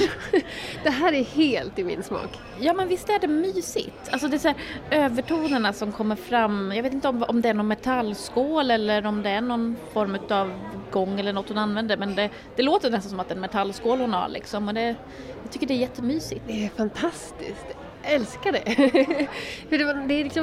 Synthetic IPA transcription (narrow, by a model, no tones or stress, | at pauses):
d̪̥ɛɦæːɾæɾheːlt̪ɪmɪ̰nsmɑ̰ːk | jɑːmɛnvɪst̪æɖɛmyːsɪ̰t̪alsɔd̪ɛsæːɾøːvəʈʰuːnəɳasɔmkʰɔmːəɾfɾamːjɑɡet̪ɪnt̪əɔmɔ̰md̪ɛæɳɔnmɛt̪ʰalːskoːlɛlːəɾɔmd̪ɛæɳɔnfɔɾmʉ̟ːt̪ɑvɡɔŋːɛlːəɳɔt̪ːhʊnanvɛnd̪əɾmɛnd̪ɛ | d̪̥ɛloːt̪ənɛst̪nsɔmat̪ɛnmɛt̪ʰalːskoːlhʊnha̰ɾlɪ̰ksɔmɔd̪ɛ | jɑːɡ̚t̪ʏkːəɖɛæːɾjɛt̪ːəmyːsɪt̪d̪ɛɛɾfant̪ʰast̪ɪ̰skt̪ | ɛlskaɖɛ | fəɖɛd̪ɛːɾlɪksɔm